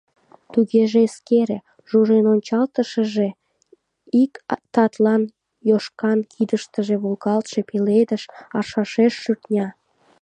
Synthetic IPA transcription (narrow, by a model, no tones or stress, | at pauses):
t̪uɣeʒeskeɾe | ʒuʒenonʲt͡ɕɑlt̪əʃəʒe | ikt̪ɑt̪lɑn | joʃkɑnkʰid̪əʃt̪əʒeβulɣɑlt̪ʃe̽peled̪əʃɑʃɑʃeʃːyrt̪nʲɑ